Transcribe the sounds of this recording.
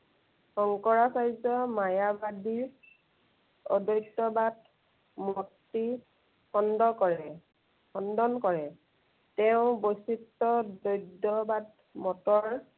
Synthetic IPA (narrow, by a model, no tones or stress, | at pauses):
xɔŋkɔɹasajzɔmajabadiɹ | ɔ̰dojtːɔbad | mɔtːi | xɔndɔkɔɹɛ | xɔndɔnkɔɹɛ | tɛʊ̃bojsitːɔdojdɔbad | mɔtɔɹ